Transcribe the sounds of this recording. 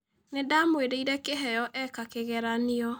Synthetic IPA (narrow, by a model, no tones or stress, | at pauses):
nedamwedeiɾɛkeɦɛjɔʔɛkakeɣɛɾaniɔ